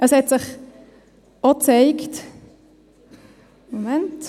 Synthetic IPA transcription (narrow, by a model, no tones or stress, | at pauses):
ʔəshɛtsɪχ | ot͡sɛɪkt | momɛnt